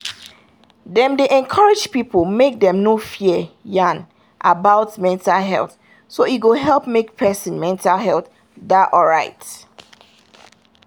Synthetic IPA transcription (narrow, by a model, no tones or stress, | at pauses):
dɛ̃mdeʔɛ̃nkʰaɹɪd͡ʒpipəlmek̚dɛ̃mnofijãn | ʔabaʊtmɛ̃ntalɦɛ̰lˠθ | soiɡoɦɛlˠpmek̚pʰɛsə̃nmɛ̃ntalɦɛlˠθ | daʔɔɹaɪt